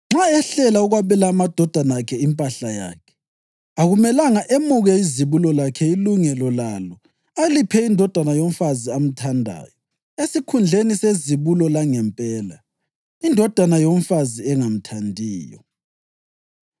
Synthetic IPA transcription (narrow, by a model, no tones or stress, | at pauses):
ŋ͡ǁaɛɬɛlauɣwaβɛlaːmad̥ʱɔd̥ʱanakʰɛimpʼaɬaja̰ːkʰɛ̥ | aɣumɛlaŋaʔemuɣɛiziβulɔlakʰɛiluŋɛlɔlalɔ | alipʰɛindʱɔd̥ʱanajom̩faziam̩tʰandʱa̰ːjɔ | esikʰund͡ɮʱeniseziβulɔlaŋɛmpʼɛːla | indʱɔd̥ʱanajom̩faziɛŋam̩tʰandʱiːjɔ̰